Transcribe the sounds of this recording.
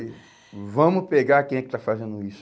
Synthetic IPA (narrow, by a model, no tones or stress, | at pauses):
vɐ̃mʊpeɡaɾakẽj̃ɛkɪ̥t̪afazẽnd̪ʊis